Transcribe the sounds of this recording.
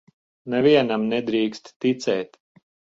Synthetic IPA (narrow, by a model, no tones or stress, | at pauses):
nɛviɛnamnɛd̪ɾiːkst̪ːit̪sɛːt̪